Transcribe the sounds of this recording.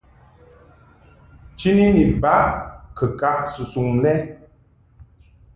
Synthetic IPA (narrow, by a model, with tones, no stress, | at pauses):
t͡ʃi˦ni˦ni˨ba˦kə˨ka˦ʔsu˨su˨ŋnɛ˦